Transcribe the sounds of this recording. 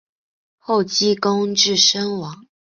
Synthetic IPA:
xo˥˩ʊt͡ɕi˥ko˥ŋʈ͡ʂɻ̩˥˩ʂə˥ŋwɑ˧˥˦ŋ

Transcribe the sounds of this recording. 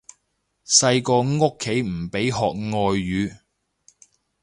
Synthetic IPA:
sɐ˧jkɔː˧ŋo˥kʰːe˨˥jm̩˨˩pe˨˥jɦɔː˨k̚ŋɔː˧jːyː˨˧

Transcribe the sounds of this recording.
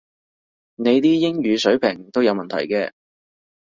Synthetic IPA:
ne˨˧jt̪iː˥jɪ˥ŋjyː˨˧sɵ˨˥ɥpʰɪ˨˩ŋt̪o˥wjɐ˨˧wmɐ˨nt̪ʰɐ̰˨˩jkɛː˧

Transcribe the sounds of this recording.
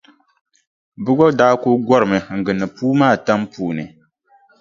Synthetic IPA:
bɨ˦ɡɔ˦daː˦ko˦ɡʷɔ˦ɾɨ˨mɨ˨ŋ̩˨ɡɨ˨nːɨ˨puː˦maː˦˨ta˦mpuː˨nɨ˨

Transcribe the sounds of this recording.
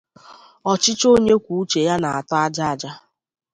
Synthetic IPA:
ɔ˨t͡ʃɪ˦t͡ʃo˦ɲe˦kʷu˨u˦t͡ʃe˨ja˦na˨a˨tɔ˦a˦d͡ʒa˦a˨d͡ʒa˦

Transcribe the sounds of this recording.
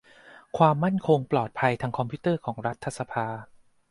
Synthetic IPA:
kʰwaː˧mːa˥˩nkʰo˧ŋplɔː˨˩t̪̚pʰa˧jt̪ʰaː˧ŋkʰɔ˧mpʰuː˦˥t̪ɤː˥˩kʰɔː˩˦ŋɾa˦˥t̪ʰːa˧˩sa˧pʰaː˧

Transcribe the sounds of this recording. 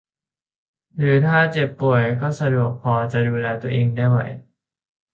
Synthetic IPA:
ɾɯː˩˦t̪ʰaː˥˩t͡ɕe˨˩pːu˨˩əjkɔː˥˩sa˧du˨˩ək̚pʰːɔː˧t͡ɕa˨˩duː˧lɛː˧t̪u˧əʔeː˧ŋdaː˥˩jwa̰˨˩˦j

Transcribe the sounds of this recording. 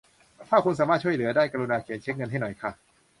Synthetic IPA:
t̪ʰaː˥˩kʰu˧ns̬aː˩˦maː˥˩t̪̚t͡ɕʰu˥˩əjlɯ˩˦ɐdaː˥˩jka˧ɾu˧naː˧kʰi˨˩˦nt͡ɕʰe˦˥k̚ŋɤ˧nɦa˥˩jnɔ˨˩jkʰa˥˩

